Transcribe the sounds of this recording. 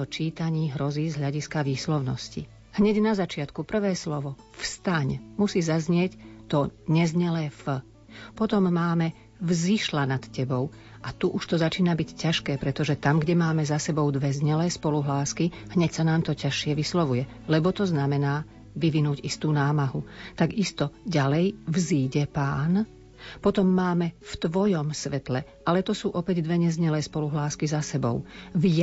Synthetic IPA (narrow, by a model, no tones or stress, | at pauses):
ɔt͡ʃiːt̪aɲiːɦɾɔziːzɦlʎaɟiskaʋiːslɔʊnɔ̰scḭ | hɲɛɟnazat͡ʃɪat̪kupr̩ʋɛːslɔʋɔ | fst̪aɲmusiːzazɲɪɛct̪ɔɲɛzɲɛlɛːfə | pɔt̪ɔmːaːmɛ | vziʃlanat̪cɛbɔʊ | ʔat̪uʔuʃt̪ɔzat͡ʃiːnabiccːaʃkɛːpɾɛt̪ɔʒɛt̪amɡɟɛmaːmɛzasɛbɔʊd̪ʋɛzɲɛlɛːspɔluɦlaːskiɦɲɛcsanaːmt̪ɔcaʃɪɛʋislɔʋujɛ | lɛbɔt̪ɔznamɛnaː | ʋiʋinuːɟist̪uːnaːmaɦut̪aɡist̪ɔɟalɛjvziːɟɛpaːn | pɔt̪ɔmːaːmɛft̪ʋɔjɔmsʋɛt̪lɛʔalɛt̪ɔsuːʔɔpɛɟd̪ʋɛɲɛzɲɛlɛːspɔluɦlaːskizasɛbɔ̰ʊvj